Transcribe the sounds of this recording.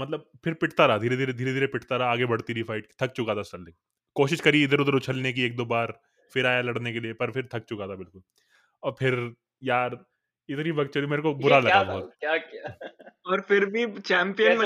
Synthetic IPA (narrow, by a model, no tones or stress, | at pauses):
mɐt̪ləb̚fɪɾpɪʈʰt̪aɾaɦaːd̪ʱiːɾed̪ʱiːɾed̪ʱiːɾed̪ʱiːɾepɪʈʰt̪aɾɐaaːɡebɐɽt̪iɾifʰaɪʈki̥t̪ʰɐk̚t͡ʃʊkaːt̪asɐld̪ẽŋ | koːʃɪʃkɐɾiɪd̪əɾʊd̪əɾʊt͡ʃʰəlnek̬ieːk̚d̪oːbaːɾ | fɪɾaːjalɐɽnekeliepɐɾpʰɪɾt̪ʰɐk̚t͡ʃʊkaːt̪ʰabɪlkʊl | ɔːɾpʰɪɾ | jaːɾ | ɪt̪nibɐɡt͡ʃolimeːɾekobʊɾalɐɡbɔːt̪jaːkaɔːɾfɪɾbʱit͡ʃɛ̃ːmpijənmẽ